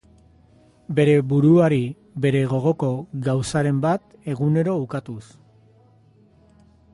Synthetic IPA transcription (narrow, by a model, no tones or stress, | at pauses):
be̞ɾe̞buɾuaɾi | be̞ɾe̞ɣ̞o̞ɣ̞o̞ko̞ɣawsaɾe̞mbat̪ | e̞ɣune̞ɾo̞ukat̪us